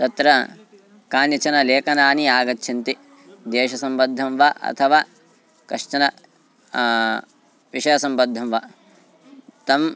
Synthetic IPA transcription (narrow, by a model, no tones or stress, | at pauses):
t̪ɐt̪ɾɐ | kaːnjɐt͡ʃɐnɐleːkɐnaːniaːɡɐtːʃʰɐnt̪i | d̪eːʃɐsɐmbɐd̪ʱːɐmʋaʔɐ̰t̪ʰɐʋaː | kɐʂt͡ʃɐnɐ | ʋiʃɐjɐsɐmbɐd̪ʱːɐmʋaː | t̪ɐm